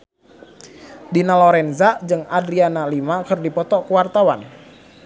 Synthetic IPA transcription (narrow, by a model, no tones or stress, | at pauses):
dinalɔɾɛnzad͡ʒɨŋadɾianalimakɨrdipɔt̪ɔkəwart̪awan